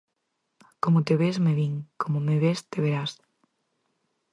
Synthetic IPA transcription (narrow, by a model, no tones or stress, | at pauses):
komot̪eβezmeβiŋkomomeβest̪eβeɾas